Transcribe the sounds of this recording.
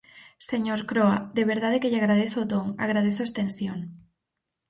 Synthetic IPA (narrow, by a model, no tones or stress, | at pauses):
seɲoɾkɾoad̪eβ̞eɾðað̞ekeʎeaɣɾaðeθʊt̪oŋa̰ɣɾaðeθʊest̪ẽnsjoŋ